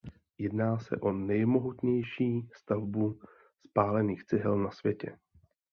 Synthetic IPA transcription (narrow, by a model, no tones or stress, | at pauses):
jɛdnaːsɛ̰ʔo̞nɛjmo̞ɦut̪ɲɛjʃiːst̪avbu | spaːlɛniːxt͡sɪɦɛlnasvjɛcɛ̰